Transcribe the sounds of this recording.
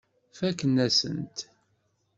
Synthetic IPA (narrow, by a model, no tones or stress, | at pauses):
fækːənːæsə̰nt̪